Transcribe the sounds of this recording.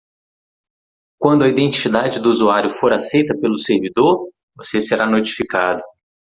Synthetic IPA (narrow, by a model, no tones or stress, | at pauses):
kwɐ̃nd̪ʊɐid̪ẽnt͡ʃi̥sid̪ad͡ʒɪd̪ʊuzuaɾjʊfoɾasejt̪ɐpelʊseɾvid̪oɾ | voseseɾanot͡ʃi̥fikad̪ɐ